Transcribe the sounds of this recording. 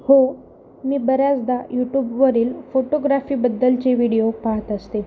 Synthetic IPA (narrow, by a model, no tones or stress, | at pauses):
ho | miːbəɾjat͡sd̪ajuʈjuːbʋəɾiːlfoʈoɡɾafiːbəd̪ːəlt͡ɕeʋiɽijopaɦət̪əst̪e